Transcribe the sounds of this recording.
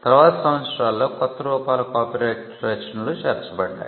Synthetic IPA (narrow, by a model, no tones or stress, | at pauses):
t̪ɐɾʋaːt̪ɐsɐmɐnʃɾaːlːo̞ːkɔt̪ːɐɾuːpaːlɐkaːpiɾeːʈ | ɾeːt͡ʃɐnɐluʃeːɾt͡ʃɐbɐɖːa̰ːju